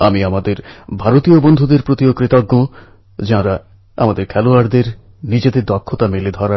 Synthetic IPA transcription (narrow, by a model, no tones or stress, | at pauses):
amiamad̪eɾbʱaɾot̪ijobond̪ʱud̪eɾpɾot̪iokɾit̪ɔɡːõ | d͡ʒaɦãɾa | amad̪eɾkʰɛluaɾd̪eɾ | nid͡ʑed̪ed̪ɔkʰːot̪ameled̪ʱɔɾa